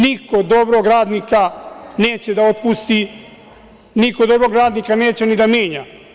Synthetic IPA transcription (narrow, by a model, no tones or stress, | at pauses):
nikod̪o̞bɾoɡɾaːd̪nikaneːt͡ɕe̞d̪ao̞t̪pust̪i | niko̞d̪o̞bɾo̞ɡɾaːd̪nikane̞ːt͡ɕenid̪amje̞ːɲa